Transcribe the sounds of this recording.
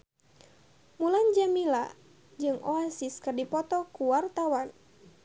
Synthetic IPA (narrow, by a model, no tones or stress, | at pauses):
muland͡ʒamila | d͡ʒɨŋʔɔasiskɨrdipɔt̪ɔkuwart̪awan